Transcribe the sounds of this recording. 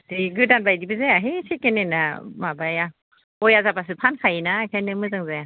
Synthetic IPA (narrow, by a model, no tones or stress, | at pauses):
tiɡɯdanbajdibɯzɛaɦesʰikɛnenamabaja | ojazapas̬ɯpʰankʰajinakʰɛnɯmɯzaŋzɛ